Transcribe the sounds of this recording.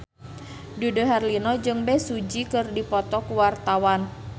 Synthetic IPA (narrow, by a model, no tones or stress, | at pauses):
dudoɦarlinɔd͡ʒɨŋbɛsud͡ʒikɨrdipɔt̪ɔkuwart̪awan